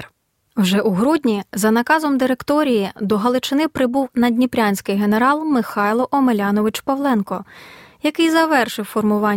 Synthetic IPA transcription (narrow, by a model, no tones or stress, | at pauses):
wʒɛʔuɦɾudʲnʲizɐnɐkɑzɔmd̪ɪɾekt̪ɔɾʲijid̪ɔɦɐlˠɪt͡ʃɪnɪpɾɪbuwnɐdʲnʲipɾʲanʲsʲkɪjɦe̞neɾɑlˠmɪxɑjlˠɔʔɔmelʲɑnɔʋɪt͡ʃpɐʋlˠɛnkɔjɐkɪjzɐʋɛrʃɪwfɔrmʊʋɑ